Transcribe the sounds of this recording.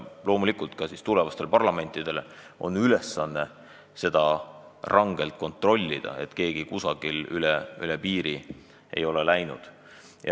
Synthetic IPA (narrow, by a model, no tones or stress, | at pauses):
lo̞ːmulikult̪kɑsist̪ulɛ̞vɑst̪e̞lpɑrlɑme̞nʲt̪ːˑid̪̥e̞l | o̞̰nːylesːɑnːe̞ | se̞d̪̥ɑrɑŋɡ̥e̞lt̪̚ko̞nt̪ˑro̞lʲːid̪̥ɑ̰e̞̰t̪ke̞ːɡ̥ikusɑɡ̥ilylɛylɛpiːɾi | ʔe̞̰jo̞lɛlæjnṵd̪̥ | jɑ̰